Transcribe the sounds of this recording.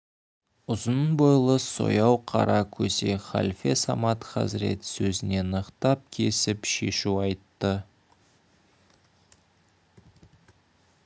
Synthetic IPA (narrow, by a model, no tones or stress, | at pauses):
ʊzənbojlˠəso̞̰jɑwqʰɑ̰ɾɑkʲʰɵze̞χa̰lʲfe̞sɑmɑt̪χɑ̰zɪɾe̞̰t̪sɵzɪne̞nəqt̪ɑp̚kʲʰe̞sɪpʃe̞ʃuɑjt̪ːə